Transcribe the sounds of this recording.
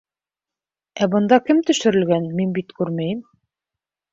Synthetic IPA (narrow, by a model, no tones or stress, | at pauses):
æbɤ̆nd̪ɑkɘmt̪ɵ̆ʃɘ̆ɾɘ̆lɡænminbit̪kʉɾmæjɘm